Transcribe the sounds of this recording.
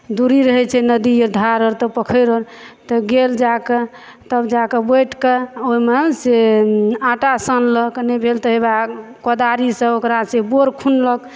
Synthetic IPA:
d̪uɾiɾəɦɛt͡ʃʰɛnəd̪ijəɾd̪ʱaɾəɾt̪əpəkʰəjɾəlt̪ɔɡeld͡ʒakə | t̪əbd͡ʒakəbəjʈkəoɦimeseaʈasənləknəbʱelt̪əɦebakod̪aɾisə̃okɾaseboɾkʰunlək

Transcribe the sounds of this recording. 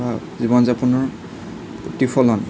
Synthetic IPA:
ba | zibɔnzapunɔɹ | potipʰɔlɔn

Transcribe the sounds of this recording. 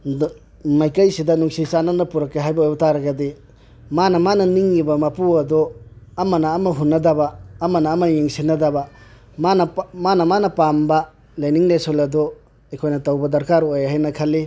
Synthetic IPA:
majkɐjsidɐnuŋsit͡ʃanɐnɐpuɾɐkːeɦajbɐojbtaɾɐɡɐdi | manɐmanɐniŋːibɐmapuɐdoɐmɐnɐːmɐɦunːɐdɐbɐːmɐnɐːmɐjeŋsinːɐdɐbɐ | manɐmanɐmanɐpambɐ | lajniŋlesolɐdɔ | ekʰojnɐtɐwbɐdɐɾkaɾojɦajnɐkʰɐlːi

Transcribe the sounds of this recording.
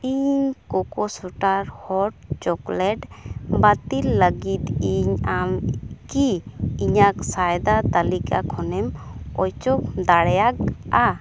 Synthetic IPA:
iɲkɔkɔsuʈaɾhɔʈ̚t͡ʃɔklɛʈbat̪ilːəɡit̪iɲamkiiɲaksajd̪at̪alikakʰɔnɛmɔjt͡ʃɔk̚d̪aɽjaka

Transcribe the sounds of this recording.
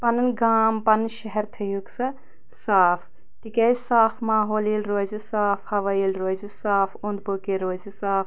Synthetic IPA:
pɐnɐnɡaːmpɐnːʃɐɦɛɾt̪ʰɐjuksɐ | saːfʰ | t̪ikʲɐsaːfʰmaːɦoːliːlɾoːzisaːfʰhɐʋɐjilɾoːzisaːfond̪bokeɾoːzisaːf

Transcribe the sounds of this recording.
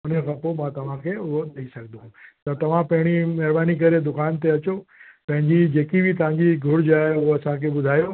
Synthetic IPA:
əneɣəpomãt̪əʋãkeod̪əisək̚d̪ũt̪ot̪əʋãpɛ̃ɽ̃imɛɾbanik̬əɾed̪ʊkaːnt̪eət͡ʃopɛ̃ɦd͡ʒid͡ʒekibit̪ãːd͡ʒiɡʱʊɽd͡ʒaeoəsãkebʊd̪ʱajo

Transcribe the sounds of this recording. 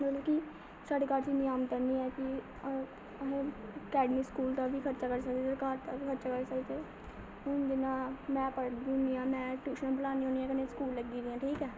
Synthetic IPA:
mət̪ləbki | saːɖeːkaːɾt͡ʃiːnɪaːmk̪əɾniːɛːkɪ | əɦẽːəkɛːɖmiːskuːlt̪aːʋiːkʰəɾt͡ʃaːkəɾsək̚d̪eːsəɾkaːɾt̪akʰəɾt͡ʃaːkəɾsəkd̪eː | ʊnd͡ʒɪnãːmɛ̃ːpəɽd̪iniːãːmɛ̃ːʈjuːʃənːbəlaːniːoːniːɛ̃ːkənẽːskuːlːəɡiːd̪ɪjãːʈʰiːkɛː

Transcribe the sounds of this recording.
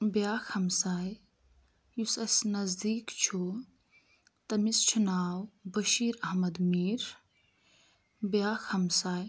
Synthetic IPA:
bjaːxhɐmsaːj | jusɐsnɐzd̪iːkt͡ʃʰu | t̪ɐmist͡ʃʰunaːwbɐʃiːɾɐɦmɐd̪miːɾ | bjaːxhɐmsaːj

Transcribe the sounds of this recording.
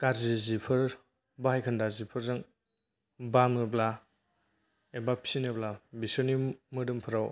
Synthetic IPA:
kaɾzizipʰɯɾ | bahajkʰɯndazipʰɯɾzɯŋ | bamɯbla | ebapʰinɯblabisɯnimɯdɯmpʰɯɾaw

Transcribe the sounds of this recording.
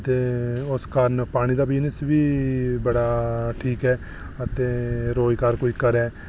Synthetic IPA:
t̪eːʊskəɾnpaːɽ̃iːd̪aːbiːnəsʋiːbəɽaːʈʰiːkɦɛː | ət̪eːɾoːikəɾkoːiːkəɾɛː

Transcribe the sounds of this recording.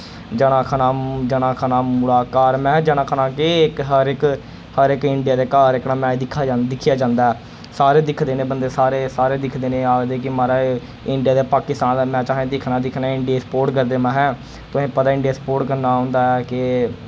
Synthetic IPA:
d͡ʒəɽ̃aːkʰənaːd͡ʒənãːkʰanaːmʊlaːkaːɾmɛ̃ːd͡ʒəɽ̃aːkʰənãːkekɦəɾɪk | həɾɪkɪɳɖijaːd̪eːkaːɾɪknãːmɛ̃ːd̪ɪkʰːaːd͡ʒd̪ɪkʰːɪjaːd͡ʒãːnd̪aːɛː | saːɾeːd̪ɪkʰd̪eːnẽːbənd̪eːsaːɾeːsaːɾeːd̪ɪkʰd̪eːnẽːaːɡd̪eːkɪmaːɾaː | ɪɳɖɪjaːd̪eːpaːkɪst̪ãːnːmɛ̃ːt͡ʃaːẽːd̪ɪkʰnaːd̪ɪkʰnaɪɳɖijaːsə̥poːɾʈkəɾd̪eːmɛ̃ːɦɛ̃ː | t̪ʊsẽːpət̪aːɪɳɖijaːsə̥poːɾʈkəɾnaːɦõːnd̪aːɛːkɪ

